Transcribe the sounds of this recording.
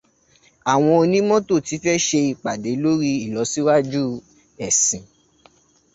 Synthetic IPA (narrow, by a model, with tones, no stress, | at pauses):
a˨w̃ɔ̃˧o˧nĩ˦mɔ̃˦to˦˨ti˨˦fɛ˦ʃe˧i˨k͡pa˨de˨˦lo˦ɾi˦i˦˨lɔ˨˦si˦wa˦d͡ʒu˦ | ɛ˨sĩ˨